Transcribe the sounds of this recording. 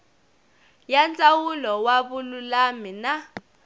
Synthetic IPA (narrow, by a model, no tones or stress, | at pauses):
jant͡sʼawulɔwaβululamina